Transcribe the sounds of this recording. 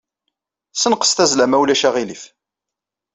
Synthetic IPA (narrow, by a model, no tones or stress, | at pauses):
sənqə̥st̪æzlæmæwlæʃæʁilif